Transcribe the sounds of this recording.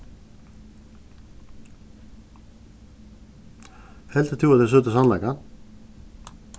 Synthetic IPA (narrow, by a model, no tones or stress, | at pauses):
hɛlt̪ɪt̪ʰjuːaðesʏːt̪ɪsanlajka